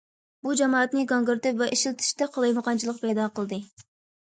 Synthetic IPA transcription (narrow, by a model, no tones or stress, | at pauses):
bud͡ʒɑmɑːɑt̪nɨɡɑŋɡɨɾt̪ɪpvɛʔiʃilˠt̪ʰɪ̥ʃt̪ɛqʰolˠɑjməqɑnt͡ʃʰilˠəqpɛjd̪ɑqəlˠɨd̪ɨ